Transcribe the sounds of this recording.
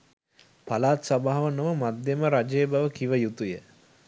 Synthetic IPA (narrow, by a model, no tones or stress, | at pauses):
palaːt̪sabaɦaʋənəʋəmad̪jeməɾad͡ʒeːbaʋəkiʋəjut̪ujə